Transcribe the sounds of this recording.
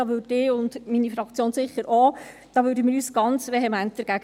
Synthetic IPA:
ɑʋødɪʊndminifɾɑkt͡sjoːnsɪχəɾʔo | d̥ɑːʋøːɾdəmɪːɾyːsɡ̥ɑnt͡sʋeɦɛmænt̚d̥əɾɡ̥æɡ

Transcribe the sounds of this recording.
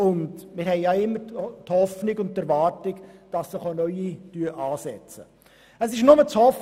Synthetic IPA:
ʊndmɪɾhɛɪjɑɪmːəɾthɔfnɪɡʊnttːɛɾvɑːɾtɪɡd̥ɑsːɪχonœʏityəʔɑːsɛt͡sə | əsɪʃnʊmət͡shɔf

